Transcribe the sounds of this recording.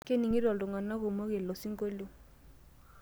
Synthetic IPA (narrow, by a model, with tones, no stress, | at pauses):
ke˦ni˨ŋi˦ɾɔ˨ldʊ˨ŋa˨na˦ko˨mo˦ke˨lɔ˨si˦ŋ˦ko˦lo˦